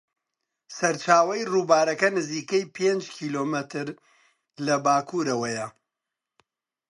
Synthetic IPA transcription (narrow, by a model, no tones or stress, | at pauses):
sɐɾt͡ʃaːwɐjruːbaːɾɐkɐnɨziːkɐjpʰeːnd͡ʒkʰiːloːmɨt̪ʰɨɾ | lɐbaːkʰuːɾɐwɐjɐ